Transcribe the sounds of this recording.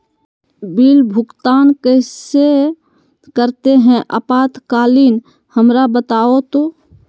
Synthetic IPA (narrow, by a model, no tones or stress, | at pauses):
biːlbʱʊkt̪aːnkəse | kəɾt̪eɦɛ̃ʔəpaːt̪kaːliːn | həmɾabət̪aːot̪oː